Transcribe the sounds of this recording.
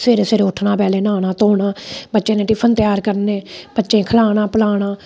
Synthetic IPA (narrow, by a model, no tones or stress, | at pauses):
seːɾeːseːɾeʊʈʰːnãːpɛːleːnaːnãːt̪oːɳaːbətːʃẽːnẽːʈiːpʰənt̪ɪjaːɾkəɾnẽːbətːʃẽːkʰəlaːɽ̃aːpəlaːɽaː